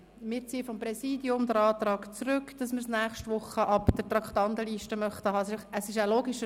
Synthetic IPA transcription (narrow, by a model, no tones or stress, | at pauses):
mɪːɾt͡siːəfɔmpɾɛsiːdjʊmdəɾɑːtɾɑːkt͡srʏkd̥ɑsməɾsnæːχʃtʋʊχəʔɑpd̪̥ətɾɑkχtɑnt̪əliːʃtəmœχtəhɑsəsɪʃæloːɡiʃə